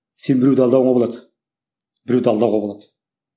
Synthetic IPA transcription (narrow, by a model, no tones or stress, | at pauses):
se̞nbɪɾewd̪ɑlˠd̪ɑwɴɑbolˠɑd̪ə | bɪɾewd̪ɑlˠd̪ɑwʁɑbolˠɑd̪ə